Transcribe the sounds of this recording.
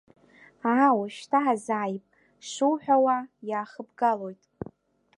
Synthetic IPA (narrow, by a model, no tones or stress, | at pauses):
awaʃtʰaʕazaːjpʼ | ʂuwħʷᶣawajaːχəbɡalo̞jtʼ